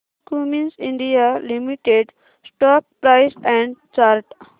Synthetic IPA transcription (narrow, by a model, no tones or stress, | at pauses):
kumĩnsĩɳɖijalimiʈeɖ | sʈɔːp̚pɾaɪsɛ̃ɳɖt͡ʃaɾʈ